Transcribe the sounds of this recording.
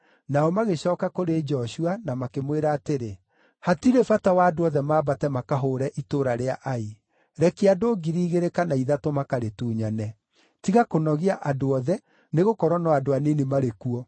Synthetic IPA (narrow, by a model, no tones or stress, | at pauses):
naɔmaɣeɕɔːkakoɾed͡ʒɔʃuanamakemweɾaːteɾe | hatiɾefatawaːdoɔðɛmaːbatɛmakaɦoːɾɛʔitoɾaɾeaʔai | ɾɛkiadoːɡiɾiːɣeɾekanaiðatomakaɾetuːɲanɛ | tiɣakonɔɣiaʔadoɔðɛ | neɣokɔɾwɔnɔadoaninemaɾekuɔ